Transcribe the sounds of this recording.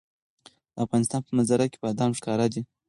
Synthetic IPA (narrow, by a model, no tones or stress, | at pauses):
d̪̥əafɣɑnɪst̪ɑnpəmazaɾake̥pad̪ɑmʂkɑɾad̪i